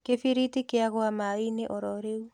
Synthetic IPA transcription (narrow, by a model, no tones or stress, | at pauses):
kefiɾitikeaɣoamaineʔɔɾɔɾeu